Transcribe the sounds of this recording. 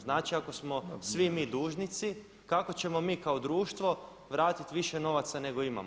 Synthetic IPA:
znaːt͡ʃiako̞smo̞sʋimiːd̪uːʒnit̪si | kako̞t͡ɕe̞mo̞miːkaod̪ɾuːʃt̪ʋo̞ | ʋɾaːt̪it̪ʋiʃe̞no̞ʋat̪sane̞ɡo̞ima̰m

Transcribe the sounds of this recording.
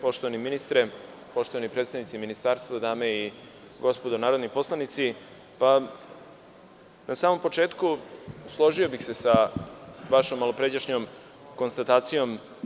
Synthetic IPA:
po̞ʃt̪oʋaniminist̪ɾe | po̞ʃt̪o̞ʋanipɾet̪st̪aʋnit̪siminist̪aːɾst̪ʋad̪aːmei | ɡo̞spo̞d̪onaːɾod̪nipo̞slˠanit̪si | pa | nasaːmo̞mpo̞t͡ʃe̞ːt̪kuslˠo̞ʒijo̞bixse̞sa | ʋaʃomːalopɾed͡ʑaʃɲom | ko̞nst̪at̪aːt̪sijo̞m

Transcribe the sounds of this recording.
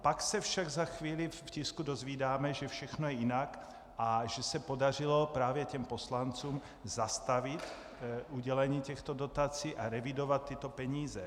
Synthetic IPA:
paksɛfʃaɡzaxviːliffciskudozviːdaːmɛʒɛfʃɛxnojɛjinak | ʔaʒɛsɛpodarɪlo̞pɾaːvjɛcɛmposlant͡suːm | zast̪avɪt̪ | ʔuɟɛlɛɲiːcɛxt̪odo̞t̪at͡siːʔaɾɛvidovat̪ːɪt̪opɛɲiːzɛ

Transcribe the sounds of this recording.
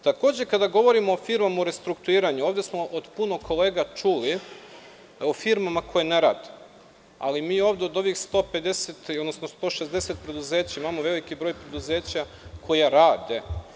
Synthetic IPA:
t̪ako̞ːd͡ʑe̞kad̪aɡo̞ʋo̞ɾimoofiɾmamaoɾe̞st̪ɾukt̪uiːɾaɲuo̞ːʋd̪esmo̞ʔod̪puno̞kʰo̞leːɡat͡ʃuli | ofiɾmamakʰo̞jeneɾa̰d̪ | a̰limiːo̞ʋd̪eod̪o̞ʋixst̪o̞ːpe̞d̪eset̪od̪nosnost̪o̞ːʃe̞zd̪eset̪̚pɾe̞d̪uzeːt͡ɕaimamoʋe̞likibɾojpɾe̞d̪uze̞ːt͡ɕa | kʰo̞jaɾaːd̪e̞

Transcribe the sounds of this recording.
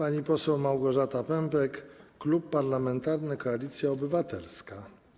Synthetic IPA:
paɲipɔsɛwmawɡɔʐat̪apɛmpɛkːlupːaɾlamɛnt̪aɾnɘkɔalʲit̪sʲjaɔbɘvat̪ɛ̰lska

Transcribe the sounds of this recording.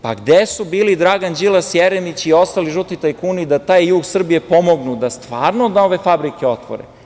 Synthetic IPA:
pa̰ɡd̪esubiːlid̪ɾaɡand͡ʑilˠasjeɾemit͡ɕio̞st̪aliʒut̪it̪ajkuːnid̪at̪aːjːuːɡsr̩bije̞po̞mo̞ɡnud̪ast̪ʋaːɾnod̪ao̞ʋe̞fabɾikeo̞t̪ʋo̰ɾe

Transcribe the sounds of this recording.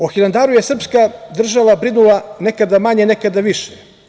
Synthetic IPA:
oxiland̪aɾujesr̩pskad̪r̩ʒaʋabɾinulˠane̞kad̪amaɲene̞kad̪aʋiʃe

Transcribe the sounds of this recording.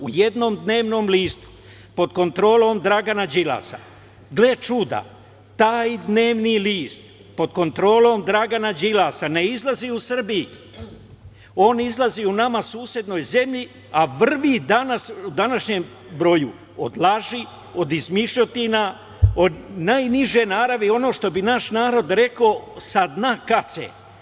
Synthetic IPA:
uje̞d̪no̞ːmd̪ne̞ːʋno̞ːmliːst̪u̥ | po̞d̪ko̞nt̪ɾo̞ːlo̞ːmd̪ɾaɡanad͡ʒila̰ːsa̰ | ɡle̞t͡ʃuːd̪a̰ | t̪aːjd̪ne̞ːʋniliːst̪ | po̞d̪ko̞nt̪ɾo̞ːlo̞ːmd̪ɾaɡanad͡ʒilasane̞izlˠaziusr̩bii | o̞ːnizlˠaziunamasuːsje̞d̪no̞ːjze̞mʎi | aʋr̩ʋid̪anasud̪anaʃɲem | bɾo̞jṵ | o̰d̪lˠaʒi | o̞d̪izmiʃʎot̪ina | onajniʒe̞naːɾaʋeo̞no̞ːʃt̪o̞binaʃnaːɾo̞d̪ɾe̞kosad̪nakasḛ

